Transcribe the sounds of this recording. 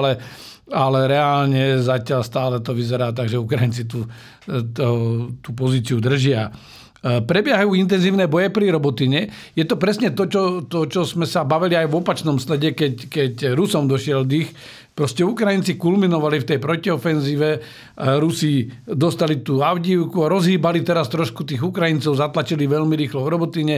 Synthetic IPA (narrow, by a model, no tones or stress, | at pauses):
lɛ | alɛɾɛaːlɲɛzacɪalst̪aːlɛt̪ɔʋizɛɾaːt̪̬aɡʒɛukɾajint͡sit̪u | t̪ɔt̪up̬ɔziːt͡siud̪r̩ʒɪa | pɾɛbɪɛɦajuːint̪ɛnziːʊnɛːbɔjɛpɾiɾɔbɔt̪iɲɛjɛt̪ɔpɾɛsɲɛt̪ɔt͡ʃɔt̪ɔt͡ʃɔzmɛsabaʋiliajʋɔpat͡ʃnɔmslɛɟɛkɛckɛcɾusɔmd̪ɔʃɪɛld̪ix | pɾɔscɛukɾajint͡sikulminɔʋalift̪ɛjpɾɔciɔfɛnziːʋɛ | aɾusid̪ɔst̪alit̪uːaʊɟiːʊkuaɾɔzɦiːbalit̪ɛɾast̪ɾɔʃkut̪iːɣukɾajint͡sɔʊzat̪lat͡ʃiliʋɛʎmiɾiːxlɔʋɾɔbɔt̪iɲɛ